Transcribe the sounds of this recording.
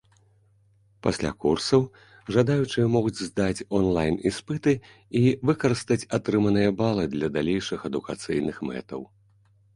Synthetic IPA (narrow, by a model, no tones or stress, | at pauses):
pasʲlʲa̰kursɐw | ʐad̪ajut͡ʂɨjɐmɔɣud͡zʲzd̪at͡sʲɔnlˠajnispɨt̪ɨ | ivɨkɐɾɨst̪ɐt͡sʲat̪ɾɨmɐnɨjɐbalˠɨd̪lʲɐd̪alʲejʂɨxɐd̪ukat̪sɨjnɨxmɛ̰t̪ɐ̰w